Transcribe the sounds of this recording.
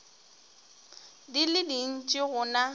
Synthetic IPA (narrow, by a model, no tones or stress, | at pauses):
dilɪdin̩t͡ʃʼɪɣʊna